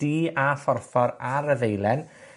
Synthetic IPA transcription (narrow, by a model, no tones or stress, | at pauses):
d̥iːafɔrfɔɾaɾəvejlˠɛn